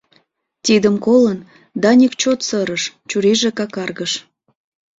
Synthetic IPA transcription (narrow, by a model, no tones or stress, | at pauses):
t̪id̪əmkolən | d̪ɑnʲikt͡ɕot̪səɾəʃt͡ɕuɾiʒekɑkɑrɣəʃ